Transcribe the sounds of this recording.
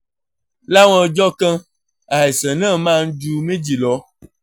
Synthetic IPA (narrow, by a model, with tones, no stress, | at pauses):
la˦wɔ̃˨d͡ʒɔ˦kɛ̃˦ | a˨e˨sɛ˨nɛ̃˦˨mã˦ŋ̩˦d͡ʒu˦mẽ˦d͡ʒi˨lɔ˦